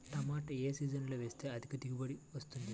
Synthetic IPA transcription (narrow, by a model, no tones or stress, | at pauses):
ʈ̪ɐmaːʈɐeːsiːd͡ʒɐnlo̞ːʋe̞ːst̪eːɐd̪ʱikɐt̪iɡibɐɽiʋɐst̪und̪i